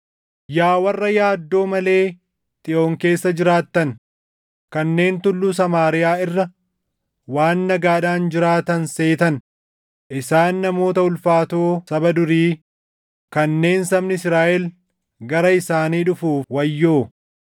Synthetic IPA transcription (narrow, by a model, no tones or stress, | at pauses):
jaːwɐrːɐjaːd̪ːo̞ːmɐle̞ː | t̪ʼɪʔo̞ːŋke̞ːsːɐd͡ʒɪɾaːt̪ːɐn | kɐnːe̞ːnt̪ʊlːuːs̬ɐmaːɾɪjaːɪrːɐ | waːnːɐɡaːᶑaːnd͡ʒɪɾaːt̪ɐnse̞ːt̪ɐn | ʔɪsaːnːɐmo̞ːt̪ɐʊlfaːt̪o̞ːsɐbɐd̪ʊɾiː | kɐnːe̞ːnsɐbnɪɪsɾaːʔɛl | ɡɐɾɐɪsaːniːᶑʊfuːwɐjːoː